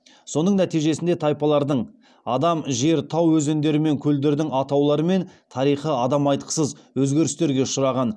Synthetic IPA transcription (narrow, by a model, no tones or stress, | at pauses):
so̞nəɴnæt̪ijʒe̞sɪnd̪et̪ʰɑjpɑlˠɑɾd̪əɴ | ɑd̪ɑmʒe̞ɾt̪ʰɑwwɵze̞nd̪e̞ɾɪme̞ŋkʲʰɵld̪e̞ɾd̪ɪŋɑt̪ɑwlˠɑɾəme̞nt̪ʰɑɾijχəɑd̪ɑmɑjt̪̚qə̥səzwɵzɡʲe̞ɾɪst̪e̞ɾɡʲe̞ʃʊɾɑʁɑn